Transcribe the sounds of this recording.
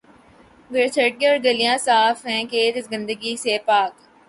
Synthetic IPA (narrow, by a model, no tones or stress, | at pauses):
ɡət͡ʃʰəʈ̚ɡẽɔːɾɡəlijãsaːfɦɛ̃keːd͡ʒɪsɡə̃nd̪əɡisepaːk